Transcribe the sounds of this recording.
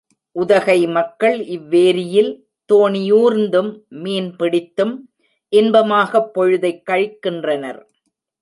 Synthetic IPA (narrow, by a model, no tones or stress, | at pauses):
ʔʊðɐɣɐɪmɐkːɐɭɪʋːeːɾɪjɪl | t̪oːnɪjuːɾnd̪ɯmːiːnpɪɽɪt̪ːɯm | ʔɪnbɐmaːɣɐpːɔɻʊðɐɪkːɐɻkːɪndrɐnɐ̰ɾ